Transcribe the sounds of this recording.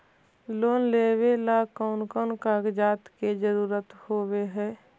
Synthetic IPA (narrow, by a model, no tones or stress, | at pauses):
loːnleːwelakɔːnkoːnkaːɡd͡ʒaːt̪ked͡ʒəɾuːɾət̪hoːweɦɛː